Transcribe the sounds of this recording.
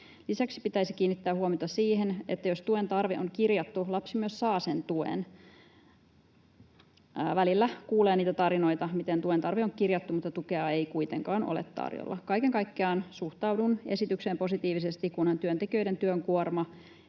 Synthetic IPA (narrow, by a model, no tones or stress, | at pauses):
lisæksi̥pit̪æisik̟iːnːit̪ːæːhuomiot̪ɑsiːɦenḛt̪ːæjost̪uent̪ɑrʋeʔoŋkirjɑt̪ːulɑpsimyøssɑːsent̪uḛn | ʋælilːækuːleːniːt̪æt̪ɑɾino̞jt̪ɑmit̪ent̪uent̪ɑrʋeoŋkirjɑt̪ːumut̪ːɑt̪ukeɑeijkujt̪ḛŋkɑːnʔo̰lḛt̪ːɑ̰rjo̰lːɑ̰kɑjkeŋkɑjkːeɑːnsuht̪ɑwdune̞̰sit̪ykseːmpo̞sit̪iːʋisest̪ikunhɑnt̪yønt̪ekiø̞ident̪yøŋkuormɑ